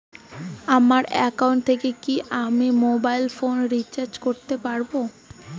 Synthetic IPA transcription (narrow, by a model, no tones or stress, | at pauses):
amaɾɛ̰kauɳʈ̚t̪ʰekekiʔamimobajlfonɾit͡ɕaɾd͡ʑkoɾt̪epaɾbo